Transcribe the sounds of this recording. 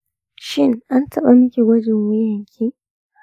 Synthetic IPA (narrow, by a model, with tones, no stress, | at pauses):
ʃɪ˦ŋʔa˦ntʰɐ˨ɓa˦˨mɪ˦kʲe˨ɡʷɐ˦d͡ʒɪ˨ŋwɪ˦jɐ˨ŋkʲʰiː˦